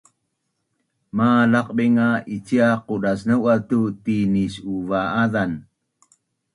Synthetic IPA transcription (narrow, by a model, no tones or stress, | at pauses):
malaq̚beŋait͡ʃiaqudasnəwat̪ut̪inisuvaaðan